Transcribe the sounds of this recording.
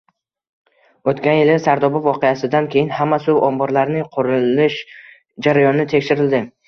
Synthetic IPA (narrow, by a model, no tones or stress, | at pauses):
ot̪kʲanjɪlɪsaɾd̪ɒbɒvvɒqejasɪd̪ankʲʰe̞jɪnhamːasʊwʔɒmbɒɾlaɾnɪqʰʊɾɪlɪʃ | d͡ʒaɾajɒnɪt̪ʰe̞kʲʃɪɾɪld̪ɪ